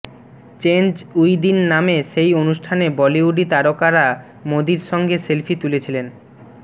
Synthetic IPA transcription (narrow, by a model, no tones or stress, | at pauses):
t͡ɕend͡ʑujd̪inːameʃejonuʃʈʰanebɔliuɖit̪aɾokaɾa | mod̪iɾʃɔŋɡeselfʰit̪ulet͡ɕʰilen